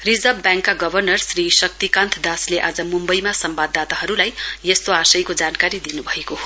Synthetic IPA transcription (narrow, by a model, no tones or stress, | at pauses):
rid͡zʌbːjãŋkːaɡʌbʱʌrnʌrsrisʌk̚t̪ikãnt̪ʰd̪asleʔad͡zʌmumbʌjmasʌmbad̪ːat̪aɦʌɾulajjest̪oasʌjkod͡zankaɾid̪inubʱʌekoɦo